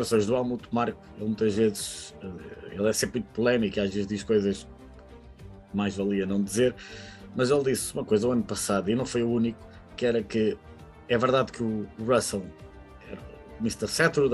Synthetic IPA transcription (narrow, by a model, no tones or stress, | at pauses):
ɾɐsõj̃ʒðualˠmut̪maɾkuelˠmũj̃t̪ɐʒvezʃɛḛlˠɛsẽpɾĩt̪̚pulˠɛmikiaʒvezd̪iʃkojzɐʃ | majʒvɐlˠiɐnɐ̃w̃d̪izeɾmɐzelˠd̪isumɐkojzɐuɐnupɐsaðuinɐ̃w̃fojuuniku̥ | kɨɛɾɐkɨ | ɛvɨɾðaðkuːʁɐslˠ | ɛɾɐmist̪ɐsɛt̪ɾuð